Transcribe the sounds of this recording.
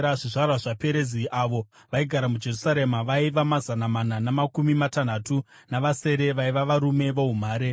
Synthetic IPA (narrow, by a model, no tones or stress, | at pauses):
aʐiʐarwaʐape̞ɾe̞ziʔaʋo̞ | ʋaiɡʱaɾamud͡ʒe̞rusaɾe̞maʋaiʋamazanamananamakumimatan̤atu | naʋase̞ːɾe̞ʋaiʋaʋaɾume̞ʋoɦum̤aːɾe